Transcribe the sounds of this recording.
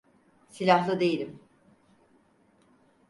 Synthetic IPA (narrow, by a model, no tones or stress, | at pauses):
silʲaɦlˠɯd̪e̞jilʲim